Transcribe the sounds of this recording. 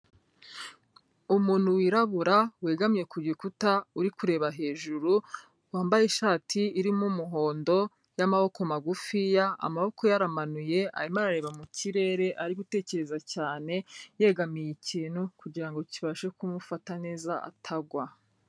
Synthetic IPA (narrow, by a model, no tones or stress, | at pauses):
umuːn̥huwiɾaβuɾaweːɡamije̞kuɾɟikutauɾikuɾe̞ːβaɦe̞ːʒuɾu | waːmbajeʃaːtʰiːɾimumuɦo̞ːndo̞ | jamaho̞ko̞maɡufijaa̰maβo̞ko̞jaɾamanuje̞ʔa̰ɾimaɾaɾe̞ːβamuciɾe̞ːɾe̞ʔaɾiɡute̞ːce̞ɾe̞zacaːne̞je̞ːɡamijiciːnhukuɟiɾaŋɡo̞ciβaʃekumufatane̞ːzaʔa̰tʰaɡwa